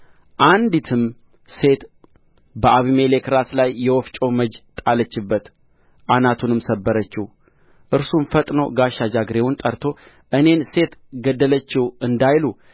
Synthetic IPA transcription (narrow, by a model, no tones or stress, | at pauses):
ʔand̪it̪ʰɨm | se̞t̪ | bəʔaβime̞lekɾaslajːɛwɔft͡ʃʼowməd͡ʒt̪ʼalət͡ʃːɪbːət̪ | ʔanat̪ʰunɨmsəbːəɾət͡ʃːɪh | ʔɨɾsumfət̪ʼno̞̰ɡaʃad͡ʒaɡɾe̞wʊnt̪ʼəɾt̪ʰo̞ | ʔɨne̞nse̞t̪ɡəd̪ːələt͡ʃːɪhɨnd̪ajlu